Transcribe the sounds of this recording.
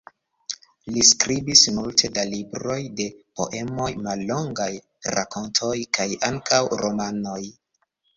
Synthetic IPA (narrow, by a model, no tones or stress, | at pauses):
liskɾibismultʰe̞dalibɾo̞jde̞po̞̰ʔe̞mo̞jmalːo̞ŋɡaj | ɾa̰ko̞ntʰo̞jkajaŋkʰawɾʔo̞mano̞j